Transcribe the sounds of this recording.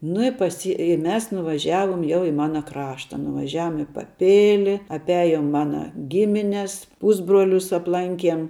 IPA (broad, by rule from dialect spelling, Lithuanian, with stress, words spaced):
nʊ ɪ pɐˈsʲiː ɪ ˈmʲɛs nʊʋɐˈʒʲæːʋoːm jɛʊ ɪ ˈmɑːnɐ ˈkrɑːʃtɐ nʊʋɐˈʒʲæːʋoːm ɪ pɐˈpʲɪlʲɪ ɐpʲˈæːjoːm ˈmɑːnɐ ˈɡʲɪmʲɪnʲɛs ˈpʊzbruɔlʲʊs ɐpˈlˠɐŋʲkʲiɛm